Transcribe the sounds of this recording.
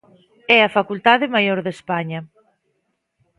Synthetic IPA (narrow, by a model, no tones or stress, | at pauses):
ɛɐfakult̪aðɪmajoɾðespaɲɐ